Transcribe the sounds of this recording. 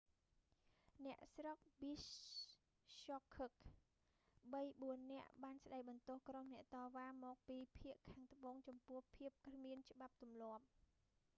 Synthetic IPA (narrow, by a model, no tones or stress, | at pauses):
nɛ̆əʔsrok̚bisː | okʰːək̚ | ɓəjɓuənːɛ̆əʔɓaːnsɗajɓɑnt̪ŭəhkromnɛ̆əʔt̪ɑːʋaːmɔːk̚piːpʰiəʔkʰːaːŋt̪ə̆ɓoːŋt͡ɕɑmpʊ̆əhpʰiəp̚kʰmiənt͡ɕə̆ɓap̚t̪umlŏəp̚